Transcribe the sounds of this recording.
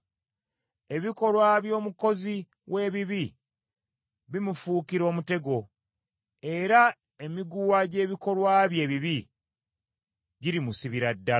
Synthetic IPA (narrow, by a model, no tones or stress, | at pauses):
e̞βiko̞lwaːβjo̞ːmuko̞zi | wʔe̞ːβiβi | βimufuːkiɾo̞ːmute̞ɡo̞ | e̞ɾa | e̞miɡuwaɟe̞ːβiko̞lwaːβje̞ːβiβi | ɟiɾimusiβiɾadːa